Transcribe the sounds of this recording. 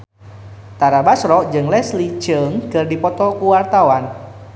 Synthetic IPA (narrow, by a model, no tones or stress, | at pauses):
t̪aɾabasɾɔʔd͡ʒɨŋlɛsli̥d͡ʒ̥əŋkɨrdipɔt̪ɔkuwart̪awan